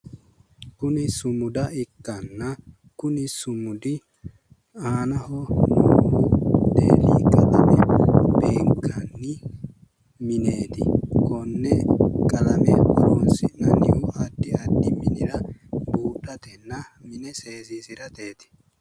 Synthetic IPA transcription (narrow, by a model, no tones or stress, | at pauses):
kʊnɪsʊmʊd̪ɐɪkːɐnːɐ | kʊnɪsʊmʊd̪ɪ | aːnɐhɔnuːhud̪ḛːlḭkʼɐlɐmɛbe̞ːŋkɐnːɪ | mɪne̞ːt̪ɪ̰kɔnːɛkʼɐlɐmɛɐɾɔnsɪnɐnɪhʊʔɐd̪ːɪɐd̪ːɪmɪnɪɾɐbuːᶑɐt̪ɛnːɐmɪnɛse̞ːsisɪɾɐt̪e̞ːt̪ɪ̥